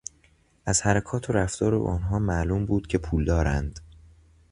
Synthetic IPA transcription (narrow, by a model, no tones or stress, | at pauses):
ʔæz̥hæɾækʰɒːt̪ʰoɾæft̪ɒːɾo̰ʔɒ̰ːnɦɒːmæʔluːmbuːd̪̥cʰe̞pʰuːld̪ɒːɾænd̪̥